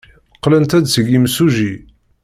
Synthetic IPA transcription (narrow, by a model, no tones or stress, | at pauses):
qːlənt̪æd̪səɡimsuʒi